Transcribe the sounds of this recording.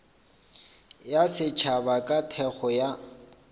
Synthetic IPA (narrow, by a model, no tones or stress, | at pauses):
jasɪt͡ʃʰabakʼatʰɛχɔja